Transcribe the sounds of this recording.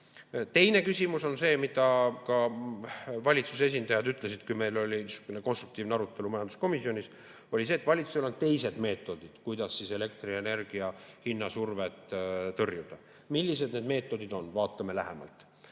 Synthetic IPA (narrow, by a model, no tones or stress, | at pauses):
t̪e̞jne̞kysʲimuso̞nse̞ːmid̪̥ɑkɑ | vɑlʲit̪suse̞s̬ʲind̪ɑjɑd̪yt̪ˑle̞sid̪̥kujme̞jlo̞lʲisu̥kːøneko̞nst̪ruk̚t̪iːvneɑɾut̪ːˑe̞lumɑjɑnd̪̥usko̞misːionʲis | o̞lʲise̞ːt̪ːvɑlʲit̪su̥selt̪t̪e̞jse̞d̪̥me̞ːt̪ːˑo̞d̪̥id̪̥kujd̪̥ɑsːise̞le̞kt̪riene̞rɡ̥iɑhinːɑsurvet̪ˑt̪ɤrjud̪̥ɑ | milʲːise̞d̪ne̞ːd̪me̞ːt̪ːˑo̞d̪id̪o̞nvɑːt̪ːˑɑme̞læɦe̞̰mɑ̰lt̪ˑ